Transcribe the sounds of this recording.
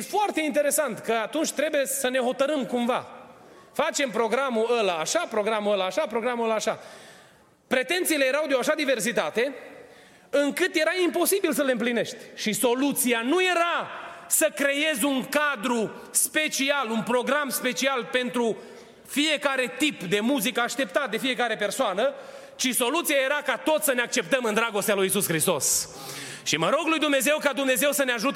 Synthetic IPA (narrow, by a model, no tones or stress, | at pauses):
efoart̪eint̪e̞ɾe̞sant̪kəat̪unt͡ʃʲt̪ɾe̞buje̞səne̞ɦo̞t̪əɾɨmkumva̰ | fat͡ʃe̞mpɾo̞ɡɾamuəlaːʃapɾo̞ɡɾamuəlaːʃapɾoɡɾamuəlaːʃa | pɾe̞t̪e̞nt̪siːle̞jeɾawd̪eoaʃad̪ive̞rs̬it̪at̪e̞ | ɨŋkɨt̪je̞ɾaimpo̞sibils̬əlɨmpline̞ʃt̪ʲʃiso̞lut̪sianuje̞ɾasəkɾe̞je̞zʲuŋkad̪ɾu | spe̞t͡ʃialunpɾo̞ɡɾamspe̞t͡ʃialpe̞nt̪ɾu | fije̞kaɾe̞t̪ipd̪e̞muzikəaʃt̪e̞p̚t̪at̪̚d̪e̞fije̞kaɾe̞pe̞rsoanə | t͡ʃiso̞lut̪siaje̞ɾakat̪o̞t̪ssəne̞ak̚t͡ʃe̞p̚t̪əmɨnd̪ɾaɡo̞st̪ealujisuskɾist̪o̞s | ʃiməɾo̞ɡlujd̪umne̞ze̞wkad̪umne̞ze̞wsəneaʒut̪